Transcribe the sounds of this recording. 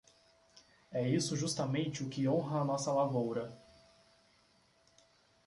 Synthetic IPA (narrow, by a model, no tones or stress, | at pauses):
ɛisʊʒust̪ɐmẽnt͡ʃɪʊkɪõɦɐːnɔsɐlavowɾɐ